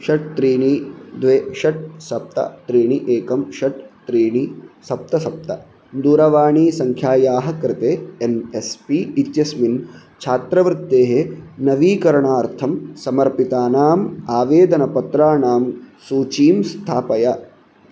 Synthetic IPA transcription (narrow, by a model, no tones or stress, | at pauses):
ʃɐʈ̚t̪ɾiːɳid̪ʋeːʃɐʈ̚sɐp̚t̪ɐ̰t̪ɾiːɳiʔeːkɐmʃɐʈt̪ɾiːɳisɐp̚t̪ɐsɐp̚t̪ɐ̰ | d̪uːɾɐʋaːɳiːsɐŋkʰjaːjaːɦɐ̆kɾɪt̪eːenespiit̪jɐsmin | t͡ʃʰaːt̪ɾɐʋɾɪt̪ːeːɦenɐʋiːkɐɾɐɳaːɾt̪ʰɐmsɐmɐɾpit̪aːnaːmaːʋeːd̪ɐnɐpɐt̪ɾaːɳaːmsuːt͡ʃiːmst̪ʰaːpɐjɐ